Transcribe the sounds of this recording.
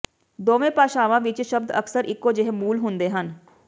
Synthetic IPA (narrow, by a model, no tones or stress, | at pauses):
d̪oːʋẽpaːʃaːʋãːʋɪt͡ʃʃəb̚d̪əksəɾɪkːod͡ʒeɦmuːlɦʊ̃nd̪eɦən